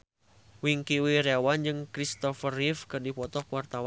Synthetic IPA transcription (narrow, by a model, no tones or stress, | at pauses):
wiŋkiwiɾewand͡ʒɨŋkɾist̪ɔfərifkɨrdipɔt̪ɔkwart̪awa